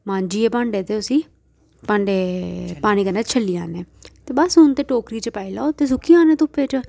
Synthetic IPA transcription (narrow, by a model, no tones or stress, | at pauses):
mãːnd͡ʒiːeːpãːɳɖeːt̪eːʊsĩː | pãːɳɖeːpaːɽ̃iːkənaːt͡ʃʰəliːa̰ːneːt̪eːbəsɦʊnt̪eːʈoːkɾiːt͡ʃpaːilaːt̪eːs̬ʊkʰiːãːnẽːt̪ʊpːet͡ʃ